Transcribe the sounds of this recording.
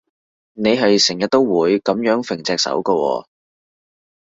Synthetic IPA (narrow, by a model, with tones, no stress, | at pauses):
ne˨˧jɦɐ˨jsɪ˨˩ŋjɐ˨t̪̚o˥wwuː˨˧jkɐ˨˥mjœː˨˥ŋfɪ˨˩ŋt͡sɛː˨k̚sɐ̰˨˥wkɔ˧wɔ̰ː˧